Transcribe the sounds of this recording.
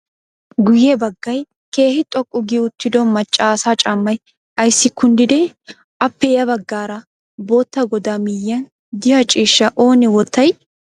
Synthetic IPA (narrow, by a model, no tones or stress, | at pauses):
ɡʊjɛbɐɡːɐj | ke̞ːhɪt̪ʼɔkʼːʊɡɪʊt̪ːɪd̪ɔmɐt͡ʃʼːaːsat͡ʃʼɐmːɐj | ɐjsːɪkːʊnd̪ɪd̪ɛ | ɐpːɛjɐbɐɡːaːɾɐ | bo̞ːt̪ːɐɡɔd̪amɪjːɐn | d̪ɪhɐt͡ʃʼiːʃːɐʔo̞ːnɪwɔt̪ːɐj